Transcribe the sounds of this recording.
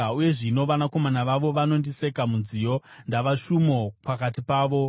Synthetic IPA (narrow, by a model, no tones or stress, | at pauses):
uje̞ʐino̞ʋanako̞manaʋaʋo̞ʋano̞ndise̞kamunzijo̞ndaʋaʃumo̞pakatipaːʋo̞